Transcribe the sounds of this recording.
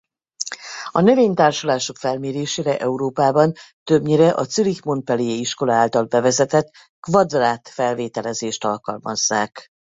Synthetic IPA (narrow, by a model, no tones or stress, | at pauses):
ɒnøveːɲt̪aːrʃulaːʃo̞kfɛlmeːɾeːʃeːɾɛʔɛuɾoːpaːbɒnt̪øbɲiɾɛʔɒt̪sylikmo̞npɛlejeiʃko̞lɒaːlt̪ɒlbɛvɛzɛt̪ɛt̪ | kvɒd̪raːt̪fɛlveːt̪ɛlɛzeːʃt̪ɒlkɒ̰lmɒ̰zːaːk